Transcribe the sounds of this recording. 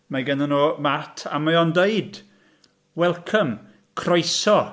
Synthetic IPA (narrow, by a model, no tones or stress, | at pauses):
maɡɛnənoːmatʰa̰majɔndeɨd | wɛlˠkʰəm | kʰrɔjsɔ